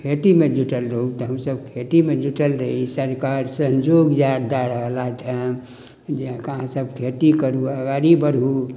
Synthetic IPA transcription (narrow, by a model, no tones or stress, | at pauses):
kʰet̪imed͡ʒuʈəlɾəɦut̪ɔɦəmsəbkʰet̪imed͡ʒuʈəlɾəɦisəɾkaɾsənd͡ʒoɡjad̪̚d̪aɾəɦəlat̪ʰə | d͡ʒ̃kəɦãsəb̚ʱkʰet̪ikəɾuəɡaɾibəɾɦu